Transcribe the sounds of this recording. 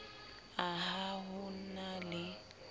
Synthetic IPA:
aɦaɦʊnalɪ

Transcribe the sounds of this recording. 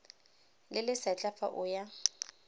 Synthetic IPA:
lɪlɪsat͡ɬʼafa̰ʔʊja

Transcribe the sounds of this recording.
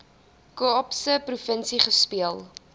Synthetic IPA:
kuɔpsəprufənsiχəspiəlˠ

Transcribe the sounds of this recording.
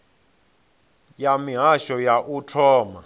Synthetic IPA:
jamiɦaʃɔjaʔutʰɔːma̰

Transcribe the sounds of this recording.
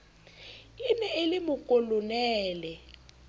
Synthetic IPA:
inɛelɪmʊkʼɔlʊnɛːlɛ

